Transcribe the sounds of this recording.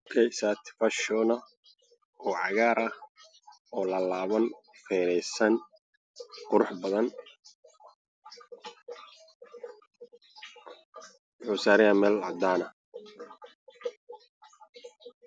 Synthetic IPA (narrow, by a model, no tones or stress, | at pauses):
kʰɛjsat̪ʰfɐʃɔːnɐ | ɔːʕɑɣaːɾɐh | ɔːlɐlaːβɐnfɛːɾɛjsɐn | qʊɾʊħbɐðɐn | wħʊsaːɾɪɐmɛːlɑ̰d̪aːnɐ